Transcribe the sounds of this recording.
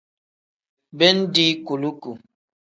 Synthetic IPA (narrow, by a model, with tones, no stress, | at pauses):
bɛ˦n̩˦di˦ku˨lu˦ku˨